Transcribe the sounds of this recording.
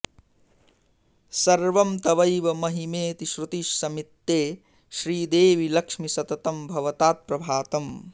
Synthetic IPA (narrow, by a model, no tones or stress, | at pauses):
sɐɾʋɐmt̪ɐʋɐjʋɐmɐɦimeːt̪iʃɾut̪iʃsɐmit̪ːeː | ʃɾiːd̪eːʋilɐkʂmisɐt̪ɐt̪ɐmbʱɐʋɐt̪aːt̪̚pɾɐbʱaːt̪ɐm